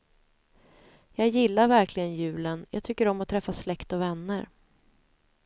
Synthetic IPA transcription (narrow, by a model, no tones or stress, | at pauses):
jɑːɡjɪlːaɾvæɾklɪɡənjʉ̟ːlənjɑ̰ːɡ̚t̪ʰʏkːəɾɔmːɔt̪ʰɾɛfːaslɛkt̪ɔvɛnːəɾ